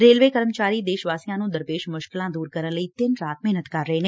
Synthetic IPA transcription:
ɾeːlʋeːkəɾəmt͡ʃaːɾiːd̪eːʃʋaːsijãːnũːd̪əɾpeːʃmʊʃkɪlãːd̪uːɾkəɾənləiːt̪ɪnɾaːt̪mɛːnət̪kəɾːəɦeːneː

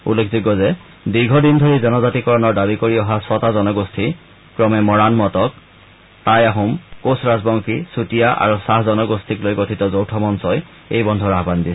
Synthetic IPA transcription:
ṵlːekʰziɡɔzɛ | diɹɡʱɔdindʱoɹizɛnɔzatikɔɹɔnɔɹdabikoɹiɔɦasɔtazɔnɔɡostʰi | kɹɔmɛmɔɹanmɔtɔk̚ | tajaɦumkosɹazbɔŋkʰisutijaʔa̰ɹusaɦzɔnɔɡostʰiklojɡotʰitɔzowtʰɔmɔnsɔj | ḛjbɔndʱɔɹaɦbandis

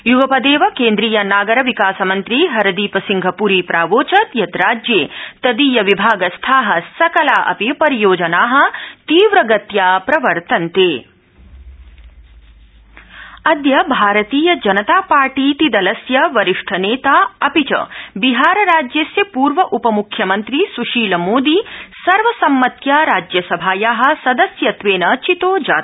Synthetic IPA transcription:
juɡɐpɐd̪eːʋɐkeːnd̪ɾiːjɐnaːɡɐɾɐʋikaːsɐmɐnt̪ɾiɦɐɾɐd̪iːpɐsiŋɡʱɐpuːɾiːpɾaːʋoːt͡ʃɐt̪jɐt̪ɾaːd͡ʒjeːt̪ɐd̪iːjɐʋibʱaːɡɐst̪ʰaːɦɐsɐkɐlaːʔɐ̰pipɐɾijoːd͡ʒɐnaːɦɐ̆t̪iːʋɾɐɡɐt̪jaːpɾɐʋɐɾt̪ɐnt̪eː | ɐd̪jɐbʱaːɾɐt̪iːjɐd͡ʒɐnɐt̪aːpaːɾʈiːt̪id̪ɐlɐsjɐʋɐɾiʂʈʰɐneːt̪aːɐpit͡ʃɐ̰biɦaːɾɐɾaːd͡ʒjɐsjɐpuːɾʋɐʔupɐmukʰːjɐmɐnt̪ɾisuʃiːlɐmoːd̪isɐɾʋɐsɐmːɐt̪jaːɾaːd͡ʒjɐsɐbʱaːjaːɦɐ̆sɐd̪ɐsjɐt̪ʋeːnɐːt͡ʃit̪oːd͡ʒa̰ːt̪

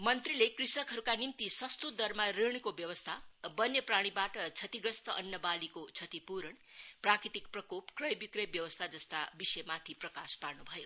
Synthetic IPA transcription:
mʌnt̪rilekrisʌkɦʌɾukanimt̪isʌst̪ud̪ʌrmareɳ̃kobjʌwʌst̪ʰabʌnjʌpraɽ̃ibaʈʌt͡sʰʌt̪iɡɾʌst̪ʌʔʌnjʌbalikot͡sʰʌt̪ipuɾʌɳ | prakɾit̪ikprʌkopkrʌjbikrʌjbjʌwʌst̪ʰad͡zʌst̪abisʌjmat̪ʰiprʌkasparnubʱʌjo

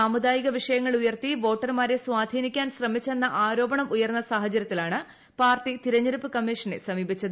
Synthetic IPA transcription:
aːmud̪aːjiɣɐʋiʂɐjɐŋːɐɭujɐrt̪iʋo̞ːʈːɐrmaːɾe̞swaːd̪ʱiːnikʲːaːnsrɐmit͡ɕːe̞nːɐʔaːɾo̞ːbɐɳɐmujɐrnːɐsaːɦɐt͡ɕɐɾɐt̪ːilaːɳɨ | paːrʈit̪iɾɐɲːɐɾupːɨkɐmːiʂɐnḛsɐmiːbit͡ɕːɐðɨ

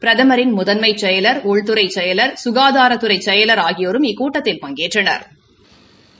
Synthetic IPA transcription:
pɪɾɐðɐmɐɾɪnmʊðɐnmɐɪt͡ʃːɛjɐlɐɾɔɻt̪ɯɾɐɪt͡ʃɛjɐlɐɾsʊɣaːðaːɾɐt̪ːɯɾɐɪt͡ʃɛjɐlɐɾaːɣɪjoːɾɯmɪkːuːʈːɐt̪ːɪlpɐŋɡeːʈrɐnɐ̰ɾ

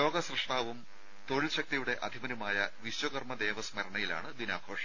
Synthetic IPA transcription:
jo̞ːɡɐsrɨʂʈaːʋum | t̪o̞ɻilɕɐk̚t̪ijuɽe̞ʔɐd̪ʱimɐnumaːjɐʋiɕwɐɣɐrmɐd̪eːʋɐsmɐɾɐɳɐjila̰ːɳɨd̪inaːɡʰʱoːʂɐ̥

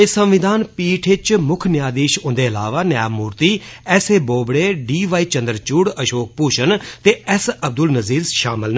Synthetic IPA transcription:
esəmʋɪd̪ʱaːnpiːʈʰɪt͡ʃmʊkʰnɪjaːd̪iːʃʊ̃nd̪eːəlaːʋaːnjaːmuːɾt̪iːɛːseːboːbɽeːɖiːʋaːiːt͡ʃə̃nd̪əɾt͡ʃuːɽəʃoːk̚puːʃənt̪eːɛsəb̚d̪ʊlnəziːɾzʃaːmɪlnː

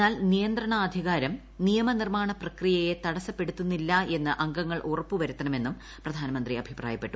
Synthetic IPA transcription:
aːlnijɐnd̪rɐɳɐaːd̪ʱjɐɣaːɾɐm | nijɐmɐnirmaːɳɐprɐkrijɐje̞t̪ɐɽɐsɐpːe̞ɽut̪ːunːilːɐe̞nːɨʔɐŋɡɐŋːɐɭʔurɐpːuʋɐɾut̪ːɐnɐme̞nːum | prɐd̪ʱaːnɐmɐnd̪riɐbʱipraːjɐpːe̞ʈːu

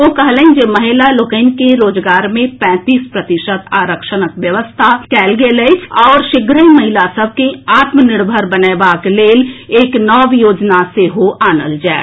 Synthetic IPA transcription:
oːkɐɦlə̃d͡ʒemɐɦɪlalʊkəɪnkeɾoːd͡ʒɡaːɾmẽpɛ̃ːt̪iːspɾət̪ɪʃət̪aːɾəkʃənəkʋjəʋəst̪ʰakɛːlɡelet͡ʃʰɔːɾʃɪɡɾəimɐɦɪlasəb̚ʱkeaːt̪mənɪɽbʱəɾbəneːbaːkleːleːknɔːʋjoːd͡ʒnaseɦoʔaːnə̰ld͡ʒaːe

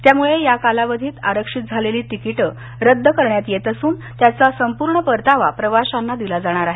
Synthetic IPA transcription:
t̪jamuɭejakalaʋəd̪ʱiːt̪a̰ɾəkʂit̪̚d͡zʱaleliːt̪ikiʈə | ɾəd̪ʱːəkəɾɳjat̪jet̪əsuːn | t̪jat͡sasəmpuɾɳəpəɾt̪aʋa̰pɾəʋaɕanːad̪ilad͡zaɽ̃aɾaɦe

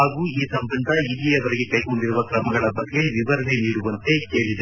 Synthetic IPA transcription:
aːɡuːiːsɐmbɐɳd̪ɐilijɐʋɐɾɛɡe̞kɐjko̞ɳɖiɾuʋɐkɾɐmɐɡɐɭɐbɐɡːe̞ʋiʋɐɾɐne̞niːɽuʋɐnt̪e̞keːɭid̪e

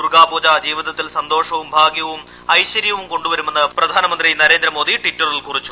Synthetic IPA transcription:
urɡaːboːd͡ʑaːd͡ʑiːʋiðɐt̪ːilsɐnd̪o̞ːʂɐʋumbʱaːɡjɐʋum | ɐjɕɐɾjɐʋumko̞ɳɖuʋɐɾume̞nːɐprɐd̪ʱaːnɐmɐnd̪rinɐɾe̞ːnd̪ɾɐmoːd̪iʈitːɐrilkurit͡ɕːu̥

